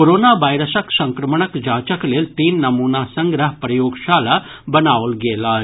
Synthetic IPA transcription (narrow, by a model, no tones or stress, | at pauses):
koɾoːnaʋaːjɾəsəksɐ̃ŋkɾɐməɳəkd͡ʒaːt͡ʃəkleːlt̪iːnːɐmuːnasɐ̃ŋɡɾəɦpɾɐjoːɡʃaːla | bɐnaːʋəlɡeːla